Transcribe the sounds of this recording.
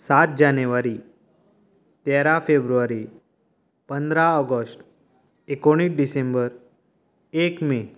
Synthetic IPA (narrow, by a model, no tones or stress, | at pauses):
sat̪̚d͡ʑanʋaɾi | t̪eɾafebɾuʋaɾi | pənd̪ɾaɔɡəsʈ | ekoɽ̃iːsɖisembəɾ | ekme